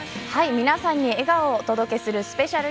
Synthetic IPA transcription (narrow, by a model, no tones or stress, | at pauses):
haimʲinasãɲ̟ːie̞ɡaot̪o̞d̪o̞ke̞sɨɾɯ̟sɨ̥pe̞ɕaɾɯ̟